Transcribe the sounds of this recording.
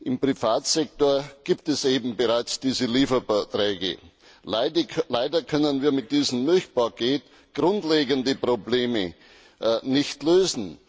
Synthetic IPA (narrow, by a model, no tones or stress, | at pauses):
ʔɪmpʁifaːtsɛk̚toːɐɡ̥iːp̚tɛseːbm̩bəʁaɪt͡sd̥iːzəliːfɐbɛtʁɛːɡə̰ | laɪdɐkʰœnənviːɐmɪt̚d̥iːzəm̩nɪçpakʰeːt | ɡ̥ʁʊntleːɡəndəpʁobleːmə | nɪçtløːzn̩